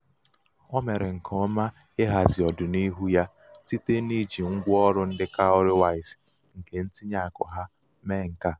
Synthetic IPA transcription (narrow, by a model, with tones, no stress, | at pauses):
ɔ˦me˨ɾɪ˨ŋ̩˨kʰɔ˦ma˦ | e˦ɦa˨zi˨ɔ˨dʊ˨ni˦ɦu˦ja˦ | ti˦te˦ni˦d͡ʒi˨ŋ̩˦ɡʷɔ˦ɾʊ˦n̩˦dɪ˦ka˦ʊ˦ɾɪ˦wa˦ɪ˨s | ŋ̩˨ke˨n̩˦ti˦ɲa˨kʊ̰˨ɦa˦ | me˦˨ŋ̩˨ka˦˨